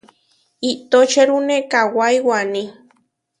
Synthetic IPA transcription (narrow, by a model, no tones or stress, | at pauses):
it̪ot͡ʃeɾunekawajwanĩ